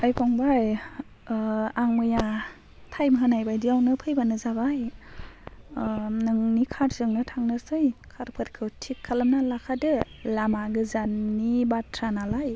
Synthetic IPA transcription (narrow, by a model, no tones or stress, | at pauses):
ajpʰɔŋbaj | aŋmɯja | tʰajmɦɯnajbajdiawnɯpʰɯjbanɯzabaj | nɯŋnikʰaɾzɯŋnɯtʰaŋnɯɾsɯjkʰaɾpʰɯt̚kʰɯwtʰikʰːalɯmnalakʰadɯ | lamaɡɯzanːibatʰɾanalaj